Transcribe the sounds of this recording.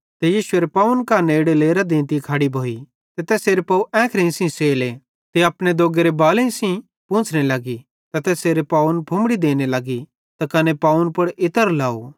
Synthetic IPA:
t̪ɛjiːʃʊeɾepaːʊnkaneːɽeleːɾad̪ẽːnt̪ikʰaːɽibʱoːi | t̪et̪ɛːseːɾepaːuʔɛ̃ːkʰɾẽĩsĩseːle | t̪eɐpɽed̪oːɡeɾebaːleĩsĩ | pũːt͡ʃʰnelɐɡi | t̪ɐt̪ɛːseːɾepaːʊnpʰʊ̃mɽid̪eːnelɐɡi | t̪akɐnepaːʊnpɐɽɪt̪əɾlaːo̰

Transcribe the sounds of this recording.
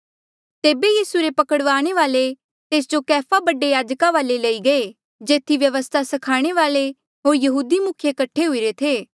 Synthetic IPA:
t̪eːbejiːsuɾepɐkəɽʋaːɽ̃eʋaːle | t̪eːs̬d͡ʒokɛːpʰabɐɖejaːd͡ʒkaʋaːlelɐiɡɐe | d͡ʒeːt̪ʰːiʋjɐʋəst̪ʰasɐkʰaːɽ̃eʋaːle | ɦoːɾjɐɦuːd̪imʊkʰjekɐʈʰːeɦʊiɾet̪ʰeː

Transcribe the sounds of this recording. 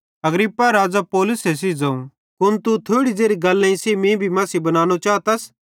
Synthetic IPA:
ɐɡɾɪpːaɾaːd͡zapoːlʊsɦes̬id͡zɐ̃ũ | kʊnt̪ut̪ʰoːɽizeːɾiɡɐlːãĩseːmĩbʱimɐːsibɐnaːñot͡ʃaːt̪ɐs

